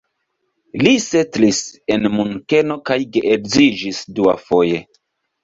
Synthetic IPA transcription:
lisetlise̞nmuŋke̞no̞kajɡeʔeɾzid͡ʒisdua̰fo̞je̞

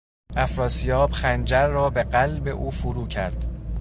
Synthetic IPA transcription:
ʔæfɾɒːsijɒːb̥xænd͡ʒæɾːɒːbeɢælbe̞ʔuːfuɾuːcʰæɾd̪̥

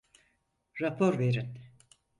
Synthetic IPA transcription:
ɾapʰoɾveɾin

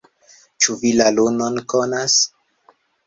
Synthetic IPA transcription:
t͡ʃuvilalunonkonas

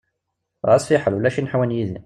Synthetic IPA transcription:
ʁæsˤfiħəlwlæʃinħawænjiði

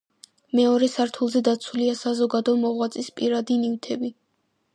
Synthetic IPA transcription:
mɛɔɾɛsaɾt̪ʰulˠzɛd̪at̪sʰuliasazɔɡad̪ɔmɔʁwat̪sʼispʼiɾad̪iniwt̪ʰɛbi

